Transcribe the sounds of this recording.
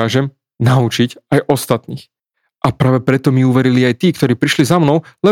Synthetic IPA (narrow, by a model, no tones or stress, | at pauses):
aːʒɛm | naut͡ʃicajʔɔst̪at̪niːx | ʔapɾaːʋɛpɾɛt̪ɔmiuʋɛɾiliajt̪iːkt̪ɔɾiːpɾiʃlizamnɔʊlɛ